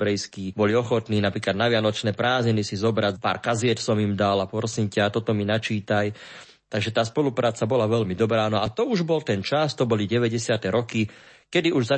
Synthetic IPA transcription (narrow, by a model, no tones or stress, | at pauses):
bɾɛjskiːbɔliɔxɔt̪niːnapɾiːklad̪naʋɪanɔt͡ʃnɛːpɾaːzɲinisizɔbɾapa̰ːɾkazɪɛt̪sɔmimd̪alapɔɾɔsimcat̪ɔt̪ɔminat͡ʃiːt̪aj | t̪aɡʒɛt̪aːspɔlupɾaːt͡sabɔlaʋɛʎmid̪ɔbɾaːnɔat̪ɔuʒbɔlt̪ɛnt͡ʃast̪ɔbɔliɟɛʋɛɟɛsɪat̪ɛɾɔki | kɛd̪iuʒza